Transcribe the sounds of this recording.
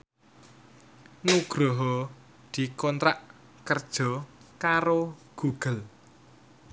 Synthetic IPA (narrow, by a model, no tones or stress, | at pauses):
nuɡ̥ɾɔɦɔ | d̪̥i̤kɔnt̪ɾaʔ | kərd̥ʒ̥ɔ̤kaɾoɡ̥uɡ̥ə̤l